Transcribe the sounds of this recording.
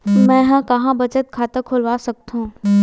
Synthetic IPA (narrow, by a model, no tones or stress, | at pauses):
mɛ̃ːɦɐ̃kɐɦãbɐt͡ʃət̪̚kʰaːt̪ekʰʊlʋaːsɐk̚t̪ɦũː